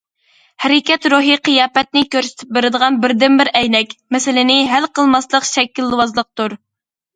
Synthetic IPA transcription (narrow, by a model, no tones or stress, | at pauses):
hɛɾɪkʲɛt̪ɾuɦɨqʰəjɑːpɛt̪̚nɪkʲøɾsɪ̥t̪ʰɪ̥p̚bɪɾɪd̪əʁɑnbɪɾd̪ɪmbɪɾɛjnɛkʲmɛsɪlɪnɪɦælqʰəlˠmɑslˠəqʃɛkʲːilːwɑzlˠəq̚t̪uɾ